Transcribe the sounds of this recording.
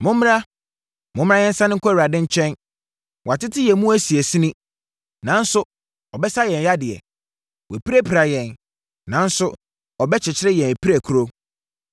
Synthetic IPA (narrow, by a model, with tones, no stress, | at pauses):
mʊ̃˦m̃˦ɾa˦ | mʊ̃˦m̃˦ɾa˦jɛ̃˦n˦sa˦nɪ̃˦kʰʷɔ˦˨i˨a˨dɪ̃˦ɲ̩˦t͡ɕʰᶣɛ̃˦n | wʔa˨tɪ˦tʰɪ˦jɛ˨mũ˦æ˦si˨e˨sɪ˦nɪ̃˦ | nã˨n̩˦sʊ˦ | ɔ˨bɛ˦sa˦jɛ̃˨n˨ja˦dɪ˨ɛ̰˨ | wɔ˨pi˦ɾæ˦pʰɾa˨jɛ̃˨n | nã˨˦n̩˦sʊ˦ | ɔ˨bɛ˦t͡ɕʰɪ˨t͡ɕʰɪ˦ɾɪ˦jɛ̃˨næ˨pʰi˦ɾæ˨kʰu˦ɾo˦